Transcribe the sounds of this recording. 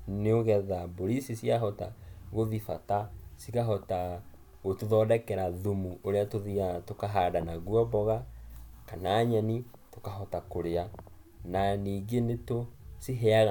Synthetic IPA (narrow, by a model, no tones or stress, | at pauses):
neoɣɛðaboɾisisiaɦɔtaɣoðifatasikaɦɔta | ɣotoðɔːdɛkɛɾaðomuʔoɾeatoðiatokaɦaːdanaɣwɔbɔɣakanaːɲɛni | tokaɦɔtakoɾea | naniːɡenetosiɦɛaɣa